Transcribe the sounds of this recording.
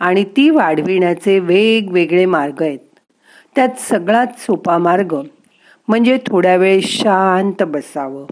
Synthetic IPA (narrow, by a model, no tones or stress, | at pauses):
aɽ̃it̪iːʋaɽ̤ʋiɳjat͡seʋeɡʋeɡɭemaɾɡəjet̪ː | jat̪səɡɭat̪sopamaɾɡə | m̤əɳd͡zet̪ʰoɽjaʋeɭɕant̪bəsaʋə